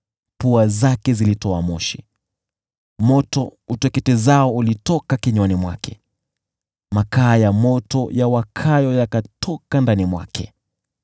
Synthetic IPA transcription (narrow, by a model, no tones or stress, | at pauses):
puazakɛzilitɔamɔʃi | mɔtɔutɛkɛtɛzaɔulitɔkakɛɲwanimwa̰kʰɛ̰ | makaːjamɔtɔjawakʰajɔjakatʰɔkandanimwa̰kʰɛ